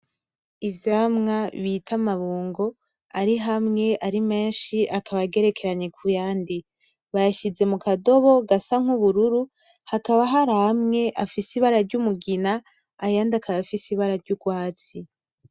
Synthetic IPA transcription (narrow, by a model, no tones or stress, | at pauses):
ivjaːmŋaβitʰamaβuːŋɡo̞ | aɾiɦamŋe̞ʔaɾime̞ːnʃiʔakʰaβaɡe̞ɾe̞ke̞ɾaɲekʰujaːndi | βajaʃize̞mukado̞βo̞ɡasaŋ̥huβuɾuɾu | hakaβaɦaɾahamŋe̞ʔafisiβaɾaɾɟumuɡinaː | jaːndakʰaβafisiβaɾaɾɟuɡwaːt͡si